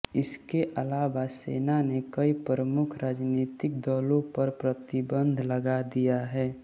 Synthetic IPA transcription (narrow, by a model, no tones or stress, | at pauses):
ɪskeʔəlaːʋasḛːnanekəipɾɾəmʊkʰɾaːd͡ʒniːt̪ɪk̚d̪ɔːlõpəɾpɾət̪ɪbə̃nd̪ʱləɡad̪ijaɦɛː